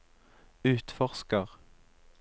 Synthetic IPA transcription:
ʉːt̪fɔʁskəʁ

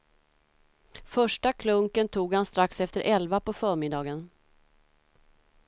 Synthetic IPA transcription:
fœʂʈakʰlɵŋkənt̪ʰuːɡhanst̪ɾaksɛft̪əɾʔɛlvapɔfœːɾmɪd̪ɑːɡən

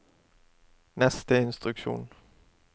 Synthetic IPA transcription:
nɛst̪əɪnst̪ʁʉkʃṵːn

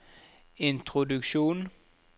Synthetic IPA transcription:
ɪnt̪ʰʁʊd̪ʉkʃuːn

